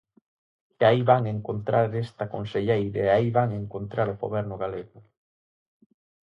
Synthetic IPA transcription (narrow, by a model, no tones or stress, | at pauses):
eaiβaŋeŋkont̪ɾʔaɾest̪akonseʎejɾaeaiβaŋeŋkont̪ɾaɾoɣo̰βɛɾnʊɣaleɣʊ